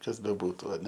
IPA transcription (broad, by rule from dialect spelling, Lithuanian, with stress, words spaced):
ˈkɐs bʲɛˈbuːtʊ ɐˈnʲɛ